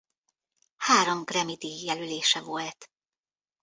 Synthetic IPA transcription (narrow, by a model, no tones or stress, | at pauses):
haːɾomɡrɛmid̪ijɛlyleːʃɛvo̞lt̪